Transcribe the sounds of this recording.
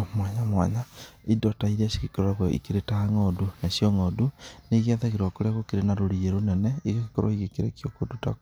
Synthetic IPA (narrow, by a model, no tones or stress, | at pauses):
mwaɲamwa̰ɲaidɔtaiɾasi̥kikoɾoɾaɣwoḭkeɾetaaŋɔdunasjɔŋɔduneɣiaðaɣeɾwakoɾjaɣokeɾenaɾoɾieɾonɛnɛeɣeke̥kɔɾɔ̰iɣekeɾḛkjokoduta̰